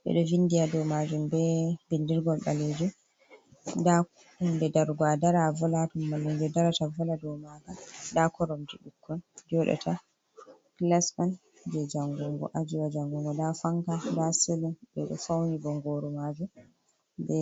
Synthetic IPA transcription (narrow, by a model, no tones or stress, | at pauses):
bɛ̰ɗɔvindijadɔmad͡ʒumbɛbindiɾɡɔlɓa̰led͡ʒum | da | dɛdaɾɡadaɾavɔlatumːalːund͡ʒɛdaɾatavɔladɔwmakadakɔɾɔmd͡ʒiɗukʰːɔnd͡ʒɔɗa̰tʰa | klasman | d͡ʒɛd͡ʒaŋɡuŋɡɔ̰ʔad͡ʒiwad͡ʒaŋɡuŋɡɔdafaŋkadaselunbɛɗɔ̰fawnibɔŋɡɔɾumad͡ʒum | bɛ